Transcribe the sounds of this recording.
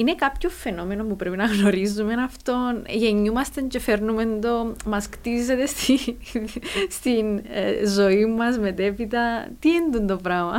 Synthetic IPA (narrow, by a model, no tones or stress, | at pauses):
ine̞kapcofe̞no̞me̞nopupɾepinɐɣno̞ɾizːume̞nɐft̪o̞nʝe̞ɲːumɐst̪ɐɲt͡ʃe̞feɾnume̞nd̪o̞mɐskt̪izːe̞t̪est̪i | st̪inzo̞imːɐzme̞t̪e̞pit̪̬ɐt̪iend̪und̪opɾamɐ